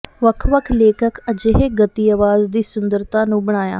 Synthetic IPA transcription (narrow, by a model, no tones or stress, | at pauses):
ʋəkʰʋəkʰleːkʰəkʰəd͡ʒeːɦeɡət̪iːəʋaːzd̪iːsʊnd̪əɾt̪ãnũːbəɳ̃aːja̰ː